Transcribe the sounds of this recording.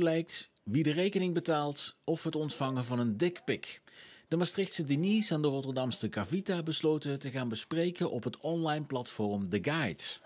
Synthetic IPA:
lɛjk̚t | ʋidərejkənɪŋbətaːlˠtɔfɦətɔntfɑŋənvɑnəndɪkpɪkd̥əmastrɪxtsədinisaːndərɔtəɹdɑmsəkavitabəslowtətəχaːnbəsprejkənʔɔpɦətɔnlɑjnplɑtfɔrmdəɡɑjt

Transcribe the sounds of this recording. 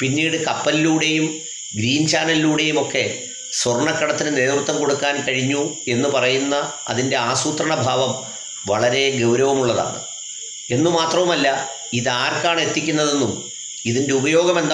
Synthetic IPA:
pinːiːɽɨkɐpːɐliluːɽe̞jum | ɡɾiːnt͡ɕaːnɐlluːɽe̞jumo̞kːe̞ | sʋɐrɳɐkːɐɽɐt̪ːinɨne̞ːd̪rut̪ːɐmko̞ɽukːaːnkɐɻiɲːue̞nːupɐrɐjunːɐ | ɐ̰ðinde̞aːsuːt̪rɐɳɐbʱaːʋɐm | ʋɐɭɐɾe̞ɡɐwɾɐʋɐmuɭːɐða̰ːɳɨ̰ | e̞nːumaːt̪rɐʋumɐlːɐ | iðɨaːrkaːɳe̞t̪ːikʲːunːɐðe̞nːum | iðindeubɐjo̞ːɡɐme̞nd̪

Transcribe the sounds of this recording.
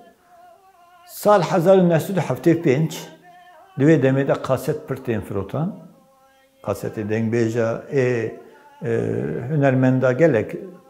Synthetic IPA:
sɑːlħɛzɑːɾunɛhsɛd̪uħaft̪eːpend͡ʒ | d̪ɨveːd̪ɛmeːd̪ɛqʰɑːsɛt̪̚pʰɨɾt̪eːnfɨɾoːt̪ʰɑn | qʰɑːsɛ̰t̪eːd̪ɛŋɡbeːʒɑeː | hynɛɾmɛnd̪ɑːɡɛlɛk

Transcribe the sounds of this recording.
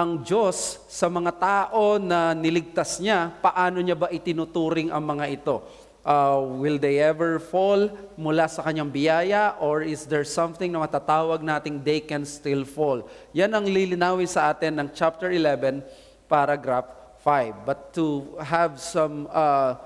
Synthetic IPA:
ʔɐŋd͡ʒosː | ɐmɐŋat̪aːʔo̞nɐnɪlɪɡ̚t̪asɲapɐʔaːno̞ɲabaʔɪt̪ɪnʊt̪uːɾɪŋʔɐ̰ŋmɐŋaʔɪt̪o̞ | ʔawɪld̪ejʔɛvɛɹfolmʊlasɐkɐɲːaŋbɪjaːjɐʔoɹɪsd̪ɛɹsɐ̃mθɪ̃ŋnɐmɐt̪at̪aːwɐɡ̚naːt̪ɪŋd̪ɛjkɛnst̪ɪlfoljanɐŋlilɪnaːwɪnsɐʔaːt̪ɪnːɐŋt͡ʃap̚t̪ɛɹɪlɛvɛn | paɾaɡɾafː | ajvːɐt̪ːʊɦɐvsɐ̃mɐ

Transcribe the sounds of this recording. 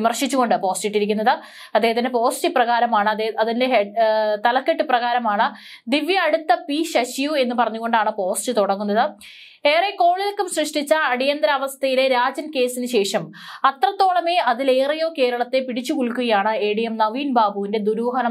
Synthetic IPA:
imɐrʂit͡ɕːuɣo̞ɳɖɨpo̞ːsʈiʈːiɾikʲːunːɐðɨ | ɐd̪ːeːhɐt̪indepo̞ːsʈɨprɐɣaːɾɐmaːɳɨɐðinde̞ɦet̪ɐlɐkːeʈːɨprɐɣaːɾɐmaːɳɨ | d̪iʋjɐːɽut̪ːɐpiːɕɐɕijue̞nːupɐrɐɲːuɣo̞ɳɖaːɳɨpo̞ːsʈɨt̪uɽɐŋːunːɐðɨ | eːreko̞ːɭilkːumɕrɨʂʈit͡ɕːɐːɽijɐnd̪ɾɐːʋɐst̪ʰɐjile̞ɾaːd͡ʑɐnke̞ːsinɨɕe̞ːʂɐmɐt̪rɐt̪ːo̞ːɭɐme̞ʔɐðile̞ːrɐjo̞ːke̞ːɾɐɭɐt̪ːe̞piɽit͡ɕːukuɭkːuɣɐjaːɳɨeːɽijɐmnɐʋiːnbaːbʱuʋinde̞d̪uɾuːɦɐnɐ

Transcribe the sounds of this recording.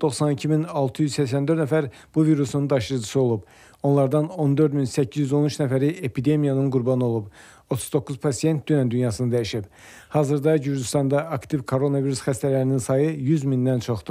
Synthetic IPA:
d̪̥o̞χsɑnicʰiminɑlˠt̪ʰɯjyzsæçsænd̪øɾt̪næfæɾ | b̥uviɾusnund̪ɑʃɯɾɯd͡ʒɯsɯo̞lˠub̥ | o̞nlˠɑɾd̪ɑno̞nd̪ø̞ɾd̪minsæcʰːizjyzo̞nyt͡ʃnæfæɾiepʰid̪e̞mijɑnɯnɡuɾbɑnɯo̞lˠub | o̞t̪ʰuzd̪o̞kʰːuzpʰɑsije̞nt̪̚d̪ynænd̪ynjɑsɯnɯd̪æjiʃib | hɑːzɯɾd̪ɑjyɾd͡ʒist̪ɑnd̪ɑʔːkt̪ivkʰo̞ɾo̞nɑviɾusxæst̪ælæɾininsɑjɯjyzmind̪ænt͡ʃʰo̞χd̪u

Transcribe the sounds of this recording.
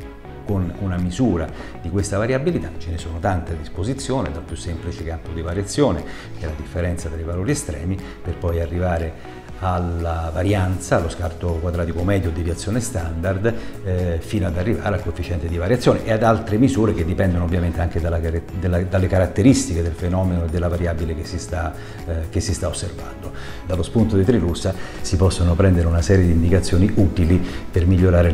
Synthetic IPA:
konunamizuːɾa | d̪ikwest̪avaɾjabilit̪at͡ʃenesoːnot̪ant̪ead̪ːispozit̪sːjoːned̪alpjusːemplit͡ʃekampod̪ivaɾjat̪sːjoːne | kɛlad̪ifːeɾɛnt̪sat̪ɾaivaloːɾiest̪ɾɛ̰ːmi | perpɔjarːivaːɾe | alavaɾjant̪saːlːoskart̪okwad̪ɾaːt̪ikomɛːd̪jod̪ːivjat̪sːjoːnest̪and̪ard̪ | fiːnoad̪arːiva̰ːɾealkoefit͡ʃɛnt̪ed̪ivaɾjat̪sjoːneʔead̪alt̪ɾemizuːɾeked̪ːipɛnd̪onoovːjament̪eaŋk̟ed̪alad̪elːad̪alːekaɾat̪ːeɾist̪iked̪elfenɔːmenoed̪ːelːavaɾjaːbilekesːist̪a | kesːist̪aosːerva̰nd̪o | d̪alːospunt̪od̪it̪ɾilusːasipɔsːonopɾɛnd̪eɾeunasɛːɾjed̪iːnd̪ikat̪sːjoːniʔut̪ilipermiʎːoɾaːɾe

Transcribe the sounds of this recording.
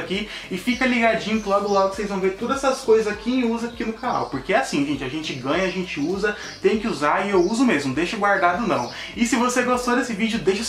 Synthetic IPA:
ki | ɪfikɐliɡad͡ʒĩɲʊkɪlɔɡʊlɔɡʊkɪ̥sejzvɐ̃w̃veɾt̪od̪ɐzɛɐskojzɐzakʰiɪuzɐkinʊkana̰wpoɾkeɛasĩʒẽnt͡ʃɪaʒẽnt͡ʃɪɡɐ̃ɲɐaʒẽt͡ʃɪuzɐ | t̪ẽj̃kɪuzaɪewuzʊmezmʊd̪ejʃɐɡwaɾd̪ad̪ʊnɐ̰̃w̃ | ɪsɪvoseɡost̪od̪esɪvid͡ʒʊd̪ejʃɐ

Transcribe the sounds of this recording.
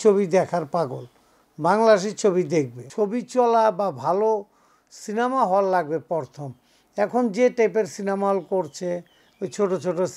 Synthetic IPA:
t͡ɕʰobid̪ɛkʰaɾpaɡol | baŋlaʃ̬it͡ɕʰobid̪ek̚bet͡ɕʰobit͡ɕɔlababʱalo | sinemaɦɔlːaɡ̚bepɔɾt̪ʰom | ɛkʰond͡ʑeʈepeɾsinamaɦɔlkoɾt͡ɕʰe | ojt͡ɕʰoʈot͡ɕʰoʈos

